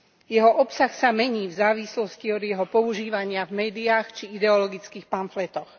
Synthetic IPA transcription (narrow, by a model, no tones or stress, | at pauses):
jɛɦɔʔɔpsaxsamɛɲiːvzaːʋislɔsciɔd̪jɛɦɔpɔuʒiːʋaɲɪavmɛːd̪iaxt͡ʃiid̪ɛɔlɔɡit͡skiːxpanflɛt̪ɔx